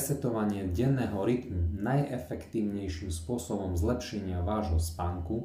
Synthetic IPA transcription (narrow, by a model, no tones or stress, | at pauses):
sɛt̪ɔʋaɲɪɛɟɛnːɛːɦɔɾit̪munajɛfɛkt̪iːʊɲɛjʃimspʊɔsɔbɔmzlɛpʃɛɲɪaʋaːʒɦɔspaŋku